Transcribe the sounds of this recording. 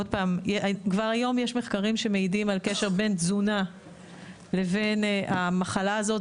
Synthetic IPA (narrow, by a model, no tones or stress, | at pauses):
od̚paːmjkvaʁajo̞mjeʃme̞χkaʁimʃe̞meidimalke̞ʃe̞ʁbe̞nzuna | le̞ve̞nʔamaχalaːzo̞t